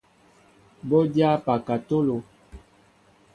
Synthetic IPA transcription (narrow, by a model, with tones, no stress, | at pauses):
bɔ˦dja˦pa˨ka˨to˦lo˨